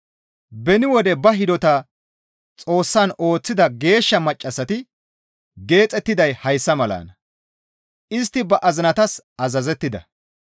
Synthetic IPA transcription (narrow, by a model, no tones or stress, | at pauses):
bɛnɪwɔd̪ɛbɐɦɪd̪ɔt̪ɐ | t͡sʼo̞ːsːɐno̞ːt͡sːɪd̪ɐɡe̞ːʃːɐmɐt͡ʃʼːɐsɐt̪ɪ | ɡe̞ːt͡sʼɛt̪ːɪd̪ɐjhɐjsːɐmɐla̰ːnɐ | ɪst̪ːɪbɐʔɐzɪnɐt̪ɐs | ɐzɐzɛt̪ːɪd̪ɐ̰